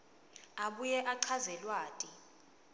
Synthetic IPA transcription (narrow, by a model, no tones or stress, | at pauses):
aɓujɛʔaǀʰazɛlwaːtʼi